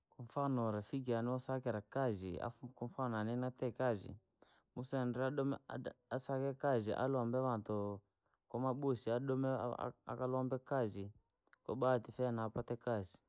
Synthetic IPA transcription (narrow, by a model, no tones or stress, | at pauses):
kɔɱfanɔɾɛfik̬ianiwɔsakɛɾakazia̰kɔɱfananɛnatɛkazḭ | musaɛndɛaɔasakɛkaziʔa̰lwambɛβantɔ | kɔmaɓosiaɗɔmɛ̰a̰kalwambɛkazi | kɔɓatifɛnaːpatɛkazi